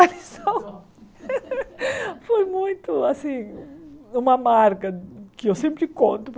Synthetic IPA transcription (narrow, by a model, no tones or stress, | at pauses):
aɾisɐ̃w̃ | fojmũj̃t̪ʊasĩ | ũmɐmaɾkɐkɪewsẽmpɾɪkõnt̪ʊp